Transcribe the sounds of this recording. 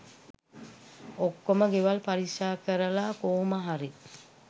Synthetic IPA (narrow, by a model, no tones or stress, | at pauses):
okːoməɡeʋalpaɾiʃaːkəɾəlakoːmaɦaɾi